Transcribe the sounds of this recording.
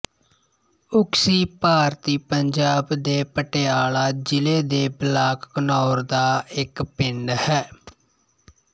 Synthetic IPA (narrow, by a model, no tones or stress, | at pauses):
ʊksiːpaːɾt̪iːpəɲd͡ʒaːbd̪eːpəʈejaːlaːd͡ʒɪleːd̪eːblaːkːənɔːɾd̪aːɪkpɪɳɖhɛː